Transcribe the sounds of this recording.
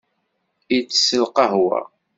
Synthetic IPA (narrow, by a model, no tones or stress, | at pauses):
it͡sːsəlqɑɦwæ̰